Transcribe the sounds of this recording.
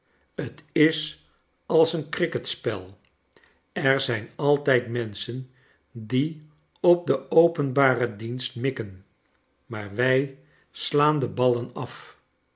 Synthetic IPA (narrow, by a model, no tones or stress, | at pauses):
ətɪs | ɑlˠsənkrɪkətspɛ̰lˠ | ɛɹzɛjnɑlˠtɛjtmɛnsən | di | ɔp̚dəowpənbaːrədinstmɪkən | maːɹʋɛj | slaːndəbɑlənɑf